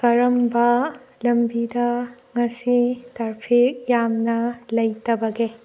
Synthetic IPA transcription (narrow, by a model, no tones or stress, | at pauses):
kɐɾɐmbɐlɐmbidɐ | ŋɐsitaɾpʰik̚jamnɐlɐjtɐbɐɡe